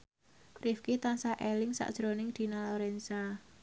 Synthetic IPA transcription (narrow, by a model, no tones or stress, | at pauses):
rɪfkit̪ansaʔelɪŋsa̰ʔd̥ʒ̥ɾonɪŋd̪̥i̤naloɾɛnsa